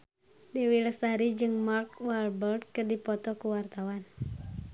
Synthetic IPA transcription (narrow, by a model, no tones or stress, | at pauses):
dɛwiləsaɾid͡ʒɨŋmark̚walbɛrd̪̚kɨrdipɔt̪ɔkuwart̪awan